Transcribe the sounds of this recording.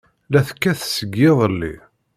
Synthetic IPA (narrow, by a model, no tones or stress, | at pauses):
læθkːæθsəɡːeðˤəlːḭ